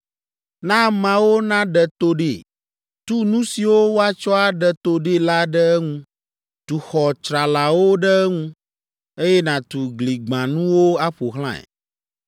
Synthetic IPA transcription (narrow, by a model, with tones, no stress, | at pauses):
nã˦mã˦wo˦nã˦ɖɛ˨t̪o˦ɖe˨ | t̪u˦nũ˦si˨wo˦wo˦a˦t͡ʃɔ˦a˦ɖɛ˨t̪o˦ɖe˦˨la˦ɖɛ˦ɛ˦ŋũ˦ | t̪u˨xɔ˨t͡ʃɾa˨la˨wo˦ɖɛ˦ɛ˦ŋũ˦ | e˦jɛ˦nã˨t̪u˨ɡli˨ɡ͡bã˨nũ˦wo˦a˦ɸo˨ɦlã˦ɛ̰˨